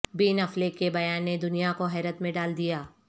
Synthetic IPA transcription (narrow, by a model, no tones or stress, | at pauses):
biːnɐflekebɐjaːnːed̪ʊnijakoɦɛːɾət̪mẽɖaːld̪ijaː